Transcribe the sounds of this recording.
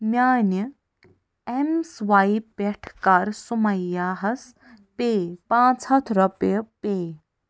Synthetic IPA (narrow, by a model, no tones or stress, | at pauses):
mʲjaːnɐ | emsʋaipeʈʰkaɾsumɐjːaːɦɐs | peːpãːt͡sʰɐt̪ʰɾɐpjpeː